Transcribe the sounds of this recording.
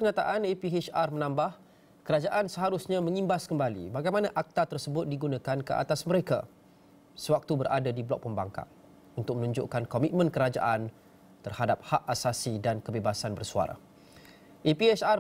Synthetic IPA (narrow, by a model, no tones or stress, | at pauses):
əɲãt̪a̰ʔanepiet͡ʃarmənãmbah | kəɾad͡ʒaʔansəɦaɾʊsɲãmə̃ŋĩmbaskəmbalḭbaɡajmãnãʔak̚t̪at̪ərsəbʊt̪̚diɡunãkankə̰ʔa̰t̪asməɾeka̰ | səwak̚t̪ubəɾʔa̰dadiblɔ̰k̚pəmba̰ŋka̰ʔ | unt̪ʊk̚mənũɲd͡ʒʊ̰ʔkankomit̪̚mə̃nkəɾad͡ʒa̰ʔan | t̪ərhadap̚haʔasasidankəbebasanbərsua̰ɾa̰ | ʔipiɛsa